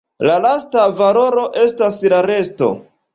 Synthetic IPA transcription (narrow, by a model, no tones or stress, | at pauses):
lalastavalo̞ɾo̞ʔe̞staslaɾe̞sto̞̰